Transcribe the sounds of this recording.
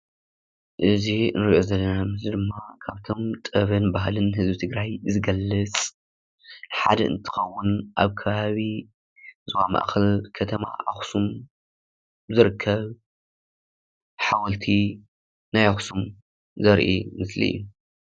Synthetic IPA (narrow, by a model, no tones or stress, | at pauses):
ʔɨzinɨɾiʔo̞zɐlːɐnamɨsid̪ɨmːakʰaβt̪ʰomt̪ʼɐβɐnbaɦlɨnɦɨzbit̪ʰɨɡɾajzɨɡɐlːɐt͡sʼ | ħa̰d̪ɐʔɨ̰nt̪ʰɨ̥xɐwːʊnʔaβkʰɐβaβi | zɨwamɐ̰ʔxɐlkʰɐt̪ʰɐma̰ʔa̰xsum | zɨɾɨkʰːɐβ | ħawɐlt̪ʰi | najaxsum | zɐɾʔḭmɨslḭɨ̰jːu